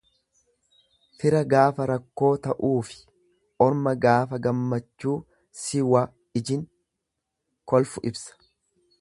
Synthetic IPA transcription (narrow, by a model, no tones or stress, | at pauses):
fɪɾɐɡaːfɐɾɐkːo̞ːt̪ɐʔuːfɪ̥ | ʔɔɾmɐɡaːfɐɡɐmːɐt͡ʃːuː | sɪwaː | ɪd͡ʒɪŋ | kɔlfʊʔɪbsɐ̥